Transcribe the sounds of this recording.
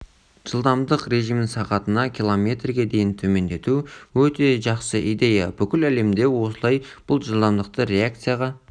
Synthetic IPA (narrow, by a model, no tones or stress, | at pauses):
ʒ̥əlˠd̪ɑmd̪əqɾe̞ʒijmɪŋsɑqɑt̪ənɑkʲʰilˠo̞mʲe̞t̪rɡʲe̞d̪e̞jɪnt̪ʰɵme̞nd̪e̞t̪uwɵt̪e̞ʒɑqsəʔijd̪e̞jɑbʏkʲɪlæle̞md̪e̞wo̞səlˠɑjb̥ʊlˠʒəlˠd̪ɑmd̪əq̚t̪əɾe̞ak̚t̪sɨjaʁɑ